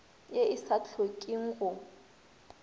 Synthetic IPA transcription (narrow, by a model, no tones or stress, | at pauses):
jeɪsat͡ɬʰokʼiŋ̩ɣʊ